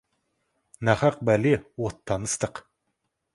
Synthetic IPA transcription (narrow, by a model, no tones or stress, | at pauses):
nɑχɑq̚bælewot̪ʰːɑnəst̪əq